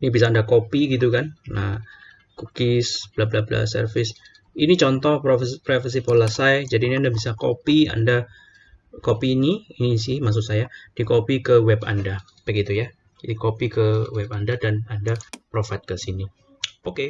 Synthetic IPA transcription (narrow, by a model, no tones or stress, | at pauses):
nibisaːndakopiɡit̪̬ukanʔa̰ | kukɪsb̥lablabla̰sə̰rfɪs | init͡ʃɔnt̪ɔhppɾefas̬ipolasajd͡ʒadiːniandabisako̰pia̰nda | kopiniinis̬ɪmas̬ʊt̪̚sajad̥ikopikəwɛba̰nda | pɛɡit̪uja | dikopikəwɛpandadanandapɾofat̪̚kəsini | oke